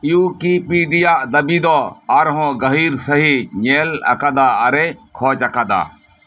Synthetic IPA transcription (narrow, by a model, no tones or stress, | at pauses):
ijuːkipiːɖijaʔd̪ɐbid̪ɔɐɾɦɔ̃ɡəɦiːɾsəɦiɲeːlɐ̰kad̪aːaɾekʰɔːt͡ʃakad̪a̰ː